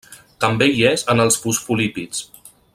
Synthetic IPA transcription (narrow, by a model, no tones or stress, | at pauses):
t̪əmbeiezənəlˠspuspulipit͡s